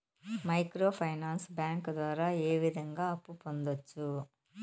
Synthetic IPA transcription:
mɐjkɾo̞ːpʰɐjnaːnsbjaːŋkd̪ʋaːɾaːeːʋid̪ʱɐŋɡaːɐpːupo̞nd̪ot͡ʃːu

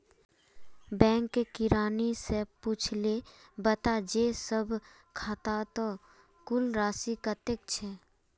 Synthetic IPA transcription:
bɛ̃ːŋkːekɪɾaːnisepuːt͡ʃʰlebət̪ad͡ʒesəbʱ | kʰaːt̪at̪o | kʊlɾaːsikət̪ek̚t͡ʃʰɛː

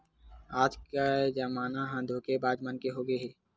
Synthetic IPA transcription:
aːd͡ʒkad͡ʒəmaːnaɦãd̪ʱoːkebaːd͡ʒmənkeɦoːɡeɦɛː

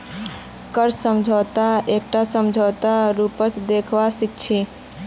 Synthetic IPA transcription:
kəɾssəmd͡ʒʱət̪aek̚ʈasəmd͡ʒʱət̪aɾupət̪ʰd̪ekʰʋasik̚t͡ʃʰe

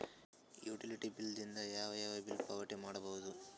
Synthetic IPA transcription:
juːʈiliʈibild̪ind̪ɐjaːʋɐjaːʋɐbilpɐʋɐʈimaːɽɐbɐɦud̪u

